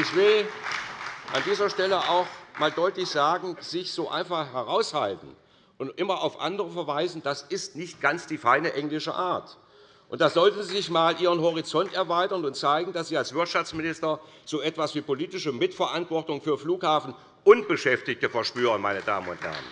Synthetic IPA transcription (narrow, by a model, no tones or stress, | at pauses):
ʔɪçv̥ɪl | ʔa̰ndiːzɐʃtɛləʔaʊxmaːldɔʏtlɪçz̥aːɡŋ̩z̥ɪçz̥oːʔa̰ɪnfaχhɛʁaʊshaltn̩ | ʔʊntʔɪmɐʔaʊfʔa̰ndəʁəfɛɐvaɪzn̩d̥asɪstnɪçt̚ɡ̥ant͡sd̥iːfaɪnəʔɛŋlɪʃə̰ʔaːɐt | ʔʊntd̥aːzɔltn̩ziːzɪçmaːlʔiːʁ̞ənɦɔʁ̞it͡sɔntɛɐvaɪtɐnʊntt͡saɪɡŋ̩d̥asz̥iːalsv̥ɪɐtʃaft͡smɪnɪstɐz̥oːʔɛtv̥asv̥iːpoliːtɪʃəmɪtfɛɐʔantv̥ɔɐtʊŋfyːɐfluːkhaːfn̩ | ʔʊntb̥əʃɛftɪçtəfɛɐʃpyːʁ̞ənmaɪnəda̰ːmənʊ̰nt̚hɛ̰ɐə̰n